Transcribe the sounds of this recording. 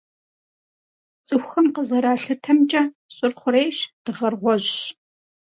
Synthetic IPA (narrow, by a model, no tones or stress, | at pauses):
t͡sʼɨxʷxɐmqəzɐɾaːɬɨtʰɐmt͡ʃʼɐ | ɕʼɨrχʷʊɾeːjɕd̥ɨʁɐrʁʷɔʑɕ